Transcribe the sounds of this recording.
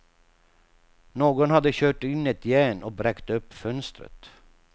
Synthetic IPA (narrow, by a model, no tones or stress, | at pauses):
noːɡɔnhad̪ːəɕøːʈɪnːɛt̪jɛnɔbɾɛkt̪ɵpːfœnst̪ɾə̰t̪